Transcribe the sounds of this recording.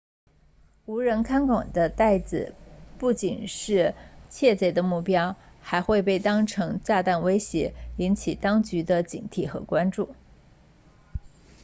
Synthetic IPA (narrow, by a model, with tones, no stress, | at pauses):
u˧˥ɻə˧˥nkʰa˥nkwa˨˩d̪ə˦t̪a˥˩ɪt͡sɹ̩˨˩pu˥˩t͡ɕi˨˩nʂɻ̩˥˧t͡ɕʰjɛ˥˩t͡se˧˥ɪd̪ə˧mu˥˩pjɑ˥ʊ | xa˧˥ɪxwe˥˧ɪp̬e˥˩ɪt̪ɑ˥ŋʈ͡ʂʰɤ˧˥ŋt͡ɕja˥˧t̪a˥˩nwe˥ɪɕjɛ˧˥i˧˥nt͡ɕʰi˨˩t̪ɑ˥ŋt͡ɕy˧˥d̪ə˧t͡ɕḭ˨˩nt̪ʰi˥˩xɤ̰˧˥kwa˥nʈ͡ʂu˥˩